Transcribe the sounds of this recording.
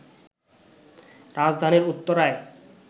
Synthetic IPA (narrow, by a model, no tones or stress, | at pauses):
ɾad͡ʑd̪ʱaniɾut̪ːoɾae